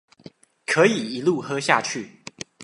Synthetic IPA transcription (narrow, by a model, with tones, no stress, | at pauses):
kʰɤ˨˧˥i˨˩i˧˥lu˥˨xɤ˥ɕja˥˧t͡ɕʰy˥˩